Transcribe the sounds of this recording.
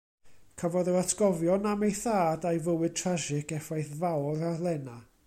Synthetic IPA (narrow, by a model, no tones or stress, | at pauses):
kʰəvɔðəwatʰɡɔvjɔnamejθaːdajvəwɨd̚tʰraʃɪkɛfajθvawɾalˠɛna